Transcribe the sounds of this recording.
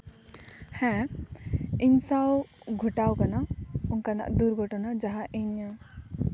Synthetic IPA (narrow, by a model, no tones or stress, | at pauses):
hɛ̃ | iɲsaw | ɡʱuʈawkanauŋkana̰ʔd̪uɾɡɔʈɔnad͡ʒaɦaʔiɲa